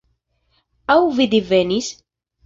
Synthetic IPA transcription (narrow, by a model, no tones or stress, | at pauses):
æwvid̪ivːænis